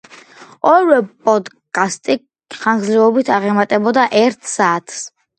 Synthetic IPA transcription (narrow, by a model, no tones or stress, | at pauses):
ɔɾwɛpʼɔd̪ | kʼast̪ʼi | χaŋɡzɾɛɔbit̪ʰaʁɛmat̪ʼɛbɔd̪aʔɛɾt̪ʰsaːt̪ʰs